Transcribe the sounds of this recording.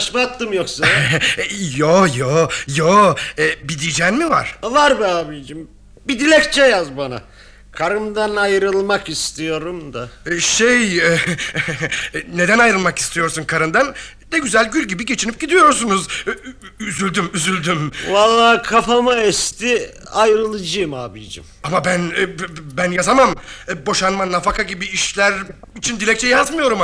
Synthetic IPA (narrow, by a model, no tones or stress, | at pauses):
aʃmaat̪ːɯmjoksa | jojojoɛbid̪id͡ʒænmiva̰ɾ̥vaɾbiaːbid͡ʒim | bid̪ilʲɛct͡ʃʰɛjazbana̰ | kʰaɾɯnd̪anajɾɯlˠmakist̪ʰijo̞ɾumd̪aʃejɛ | ne̞d̪ænajɾɯlˠmaki̥st̪ʰijo̞ɾsunkʰaɾɯnd̪an | d̪ɛɟyzælʲɟylʲɟibiɟe̞t͡ʃʰinip̚ɟ̥id̪ijo̞ɾsunuz | yzylʲd̪ymyzylʲd̪ymvalˠːaːkʰafamaɛst̪ʰi | ajɾɯlˠɯd͡ʒɯmaːbid͡ʒḭmamabænbænjazamambo̞ʃanmanːafakʰaɟibiːʃlʲæɾ | it͡ʃʰind̪ilʲɛc̚t͡ʃʰɛjazmɯjo̞ɾum